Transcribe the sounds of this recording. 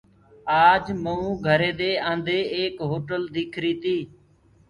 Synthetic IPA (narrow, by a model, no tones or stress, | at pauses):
aːd͡ʒməũːɡʱəɾeːd̪eːə̃ːnd̪eːeːkɦoːʈəld̪iːkʰɾiːt̪iː